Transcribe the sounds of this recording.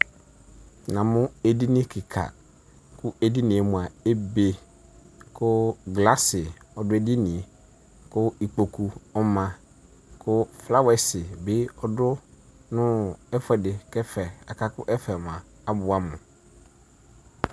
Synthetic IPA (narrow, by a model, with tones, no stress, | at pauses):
nã˨mʊ̃˦ɛ˦di˦nɪ̃˦kʰɪ˨kʰa̰˨ | kʰʊ˦ɛ˦di˦nĩ˨e˨mʊ̃˨a˨e˦be˦ | kʰʊ˦ɡla˦sɪ˨ | ɔ˨dʊ˦ɛ˦dɪ˦nĩ˨e˨ | kʊ˦i˨k͡po˨kʰu˨ɔ˦mã˨ | kʰʊ˦fla˦wɛ˨sɪ˨bɪ˦ɔ˨dʊ˦nʊ̃˦ɛ˦fɛ˨dɪ˨kɛ˦fɛ˨a˨kʰa˦kʊ˦ʔɛ˦fɛ˨mʊ̃˨a˨ | a˨bʊ˨a˦mʊ̰̃˨